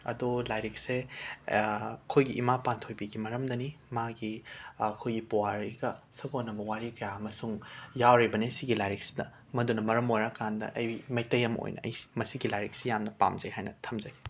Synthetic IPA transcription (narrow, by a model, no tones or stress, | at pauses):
ɐ̰dolajɾik̚se | kʰojɡiʔimapantʰojbiɡimɐɾɐmdɐnimaɡiɐkʰojɡipowaɾiɡɐsɐɡonɐbɐwaɾikɐjaɐmɐsuŋjawɾibɐnesiɡilajɾeksi̥dɐ̰ | mɐdunɐmɐɾɐmojɾakandɐ̰ʔɐjimɐj̚tɐjɐmo̰jnʔɐ̰ɐ̰jsi̥mɐsiɡilajɾek̚sijamnɐpa̰mzɐjhajnɐtʰɐmzɐj